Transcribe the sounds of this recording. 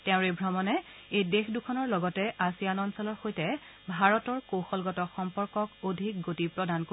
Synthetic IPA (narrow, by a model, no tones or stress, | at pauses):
tɛ̃ʊ̃ɹebʱɹɔmɔnɛ | ejdexdukʰɔnɔɹlɔɡɔtɛʔasijanɔnsɔlɔɹxojtɛ | bʱaɹɔtɔɹkoxɔlɡɔtɔxɔmpɔɹkɔkodʱik̚ɡotipɹɔdanko